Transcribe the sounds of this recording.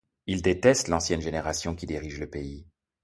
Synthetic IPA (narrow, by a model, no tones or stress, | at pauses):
ild̪et̪ɛst̪lɑ̃sjɛnʒeneʁasjɔ̃kʲid̪iʁiʒləpei